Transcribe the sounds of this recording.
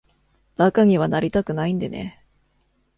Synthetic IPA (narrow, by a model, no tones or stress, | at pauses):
d̪̥akaŋ̟iβ̞anaɾʲit̪akɯ̟naĩnd̪e̞̰nḛ